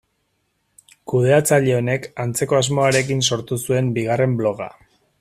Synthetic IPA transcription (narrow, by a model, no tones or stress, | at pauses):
kuð̞e̞at͡saʎe̞o̞ne̞kant͡se̞ko̞azmo̞aɾe̞k̬inso̞ɾt̪usue̞mbiɣ̞are̞mblo̞ɣa̰